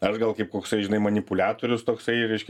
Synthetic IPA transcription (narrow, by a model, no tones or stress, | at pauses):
ɐʃɡɐlˠkɐɪp̚koːksɐɪʒʲɪnɐɪmɐnʲɪpʊlʲæːt̪oːɾʲʊst̪oːksɐɪɾʲɛɪʃʲkʲɛ